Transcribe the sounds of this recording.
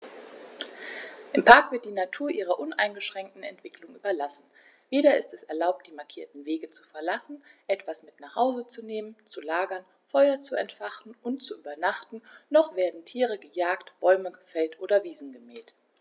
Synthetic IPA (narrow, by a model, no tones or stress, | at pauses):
ʔɪmpʰaɐkv̥ɪɐt̚d̥iːnatʰuːɐʔiːʁ̞ɐʔʊna̰ɪnɡəʃʁ̥ɛŋk̚tn̩ɛ̰ntv̥ɪklʊŋʔyːbɐlasn̩ | veːɾɐɪstɛsɛɐlaʊp̚td̥iːmaɐkʰiːɐtn̩veːɡət͡su̥fɛɐlasn̩ʔɛtv̥asmɪtnaχhaʊzət͡suneːmənt͡sulaːɡɐn | fɔʏɐt͡suɛ̰ntfaχtn̩ʊntt͡suʔyːbɐnaχtn̩nɔχv̥eːɐdn̩tʰiːʁəɡəjaːktb̥ɔʏməɡəfɛltʔoːɾɐviːzn̩ɡəmɛːlt